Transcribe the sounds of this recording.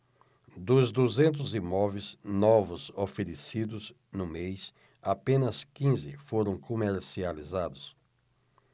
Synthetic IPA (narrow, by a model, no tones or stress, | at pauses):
d̪ʊzd̪uzẽnt̪̬ʊzimɔvejznɔvʊzofeɾesid̪ʊz | nʊmejs | apẽnɐskĩzɪ̰foɾɐ̃w̃komeɾsializad̪ʊs